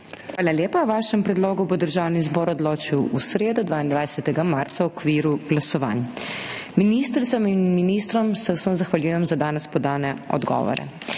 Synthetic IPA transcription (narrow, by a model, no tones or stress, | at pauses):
xʋaːlaljeːpawʋaːʃɛmpɾɛd̪loːɡubɔd̪əɾʒawnizbɔːɾɔd̪loːt͡ʃiwusɾeːd̪ɔd̪ʋaːind̪ʋajsɛt̪ɛɡamaɾt̪sawɔkʋiːɾuɡlasɔʋa̰ːn | miniːst̪ɾit̪sɔminminist̪ɾɔmsɛwsəmzaxʋaljujɛmzad̪aːnɛspɔd̪aːnɛɔ̰d̪ɡɔ̰ʋɔ̰ɾɛ̰